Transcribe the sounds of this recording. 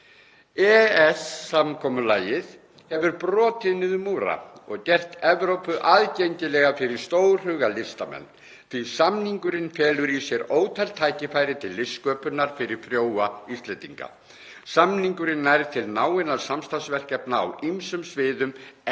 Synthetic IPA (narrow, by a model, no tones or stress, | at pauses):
ɛɛsːamkʰɔːmʏlaːjɪð | hɛvʏɾpɾɔːt̪ɪðnɪðʏmuːɾa̰ɔɣcɛr̥t̪ɛvɾowpʏʔaːðcejɲcɪlɛːɣafɪɾɪɾ̥st̪oːw̥r̥ʏɣalɪst̪amɛ̰nː | θisamniŋkʏɾɪnfɛːlʏɾisjɛɾoːwt̪ʰalt̪ʰaːjcɪfaːjɾɪt̪ʰɪlːɪskœːpʏnaɾ̥fɪɾɪɾ̥fɾjoːwaist̪lɛnt̪ḭŋka̰ | samniŋkʏɾɪnːaɾt̪ʰɪlnaːwɪnaɾsamst̪ansvɛr̥cɛpna̰ːwimsʏmsvɪːðʏm